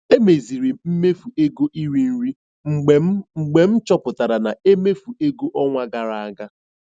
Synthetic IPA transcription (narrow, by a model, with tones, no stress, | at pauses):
e˦me˨zi˨ɾi˨m̩˦me˦fu˨e˦ɡo˦ʔi˦ɾi˦n̩˦ɾi˦˨ | ŋ͡m̩˨ɡ͡be˨m̩˦t͡ʃɔ˦pʊ˨ta˨ɾa˨na˨e˦me˦fu˨e˦ɡo˦ʔɔ˦ŋʷa˦ɡa˨ɾa˨a˦ɡa˦